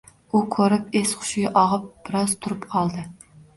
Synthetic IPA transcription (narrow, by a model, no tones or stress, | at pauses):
ukʲʰøɾɪpesχʊ̥ʃɪɡʲɛʔɑʁəp̚b̥ɨɾɑzt̪ʰʊɾɨpqʰɑlˠd̪ɨ